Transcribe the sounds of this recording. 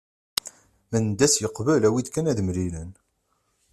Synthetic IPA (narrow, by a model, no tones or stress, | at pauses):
mænd̪ːæsjəqvəlæwid̪kænæðmlilæn